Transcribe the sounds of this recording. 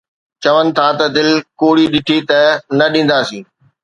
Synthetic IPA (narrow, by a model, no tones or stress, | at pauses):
t͡ɕɐʋənɪ̆t̪ʰat̪ɐd̪ɪlkoːɽiɗɪʈʰit̪ɐnɐɗĩːn̆d̪aːsĩː